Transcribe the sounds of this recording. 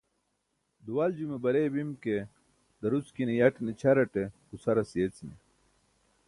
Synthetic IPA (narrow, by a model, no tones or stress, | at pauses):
d̪uwald͡ʑumebɐɾebimke | d̪ɐɾut͡skinijɐʈnit͡ɕʰɐɾɐʈekusɐɾɐsijet͡sini